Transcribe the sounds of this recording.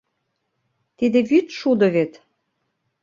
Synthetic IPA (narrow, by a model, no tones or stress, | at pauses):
t̪id̪ĕβyt̪ʃud̪ɤ̆βet̪